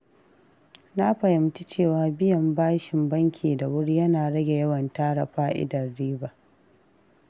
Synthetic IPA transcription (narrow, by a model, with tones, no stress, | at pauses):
na˦ɸɐ˨jɪ˨mt͡ʃi˦t͡ʃeː˦˨waː˨bɪ˦jɐ˨mbaː˦ʃɪ˨mbɐ˦ŋkʲʰiː˨da˨wʊ˦ɽi˦jɐ˦naː˨ɽɐ˦ɡʲe˨jɐ˦wɐ˨ntaː˦ɽɐ̰˨ɸaː˦ʔɪ̰˦dɐ˨rːiː˦ba˨ʔ